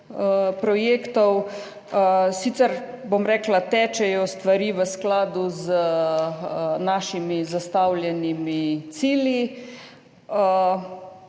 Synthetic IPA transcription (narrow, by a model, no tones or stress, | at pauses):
pɾɔjeːkt̪ɔw | siːt̪sɛɾ | bomɾɛːklat̪ɛːt͡ʃɛjɔst̪ʋaɾiːʋəsklaːd̪uzə | naːʃimizast̪awljɛnimit̪siːlji